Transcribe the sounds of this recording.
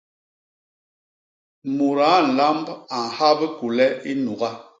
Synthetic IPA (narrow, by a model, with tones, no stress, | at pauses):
mu˨ɾa˨˦n̩˨la˦mba˨ŋ˨ha˦bə˦ku˨lɛ˦i˦nu˨ɣa˦